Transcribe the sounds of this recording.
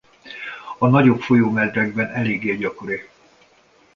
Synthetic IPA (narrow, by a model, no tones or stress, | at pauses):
ɒnɒɟo̞pfo̞joːmɛd̪rɛɡ̚bɛnɛleːɡeːɟɒko̞ɾi